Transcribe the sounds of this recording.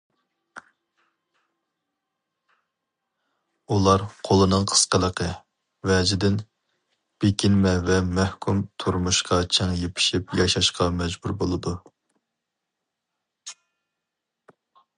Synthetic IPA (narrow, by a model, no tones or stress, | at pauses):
ulˠɑɾqʰolˠɨnɨŋqʰə̥sqəlˠəqʰə | vɛd͡ʒɪd̪ɪn | b̥ekʲʰinmɛvɛmɛhkʰʲumt̪ʰuɾmuʃqɑt͡ʃʰɛŋjepʰɪ̥ʃipjɑʃɑʃqʰɑmɛd͡ʒbuɾbolˠɨd̪u